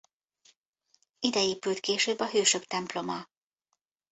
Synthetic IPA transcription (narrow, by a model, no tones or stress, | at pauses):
id̪ɛeːpylt̪keːʃøːbːɒɦøːʃøbt̪ɛmplo̞mɒ